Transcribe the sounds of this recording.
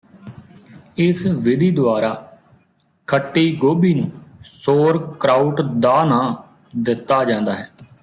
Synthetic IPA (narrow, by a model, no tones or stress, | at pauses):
ɪsʋɪd̪ʱiːd̪ʊaːɾaː | kʰəʈːiːɡoːbiːnũːsoːɾkɾaːʊʈd̪aːnãː | d̪ɪt̪ːaːd͡ʒãːnd̪aːɦɛː